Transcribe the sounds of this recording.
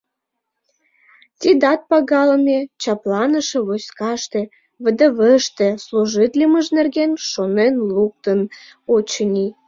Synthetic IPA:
t̪ʲid̪ɑt̪̚pɑɣɑləmʲet͡ɕɑplɑnəʃĕβoskɑʃt̪ĕ | βə̆d̪ə̆βəʃt̪ĕsluʒit̪lʲiməʒnerɣenʃonenluk̚t̪ən | ot͡ɕənʲi

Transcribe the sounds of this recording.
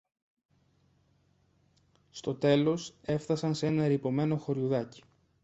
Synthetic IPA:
st̪o̞t̪e̞lo̞se̞fθɐsɐnseenɐeɾipo̞me̞no̞xo̞ɾjuðɐci̥

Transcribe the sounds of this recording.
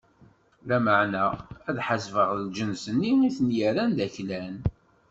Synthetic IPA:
læməʕnææðħazvəʁðəld͡ʒənsənːiiθənjəɾænd̪æçlæn

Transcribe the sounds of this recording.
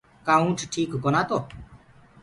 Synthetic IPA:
kaːũːʈʰʈʰiːkɡonãːt̪oː

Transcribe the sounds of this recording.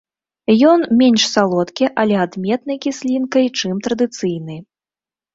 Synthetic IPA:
jɔnmʲɛnʲʂsalˠɔt̪kʲiʔɐlʲɛad̪mʲɛt̪nɐjkʲisʲlʲinkɐjt͡ʂɨmt̪ɾɐd̪ɨt̪sɨjnɨ

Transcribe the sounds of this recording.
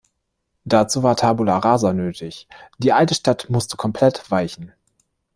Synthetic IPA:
d̥at͡suːvaːɐtʰaːbulaʁaːzanøːtʰɪçd̥iːʔaltəʃtatmʊstə̥kʰɔmpʰl̥ɛtv̥aɪçn̩

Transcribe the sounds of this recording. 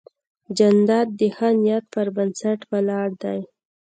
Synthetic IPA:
d͡ʒand̪ɑd̪d̪əhanjat̪̚pəɾbənsaʈwalɑɽd̪aj

